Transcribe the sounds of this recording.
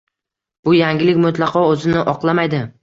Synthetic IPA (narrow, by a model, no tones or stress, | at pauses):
b̥ʊjaŋɡʲɪlɪkʲmʊt̪lˠɑqʰɒɵzɪnɪʔɒqlˠamajd̪ɪ